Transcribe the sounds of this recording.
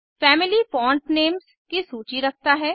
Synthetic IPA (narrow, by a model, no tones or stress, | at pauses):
fɛːmɪlifɔ̃ːɳʈneːmz | kisuːt͡ʃiɾɐk̚ʰt̪aɦɛː